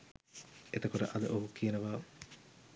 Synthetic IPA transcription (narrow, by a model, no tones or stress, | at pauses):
et̪ɐkuɾɐ̰ʔɐd̪ɐʔoɦukːienɐʋaː